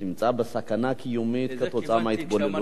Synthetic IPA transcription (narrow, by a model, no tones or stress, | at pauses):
ɪmt͡sʼaːbɐsakɐnakʰɪjomːeːt̪kɐt̪ʰʼɔt͡sʼaːmajɪt̪bɔlːɐlu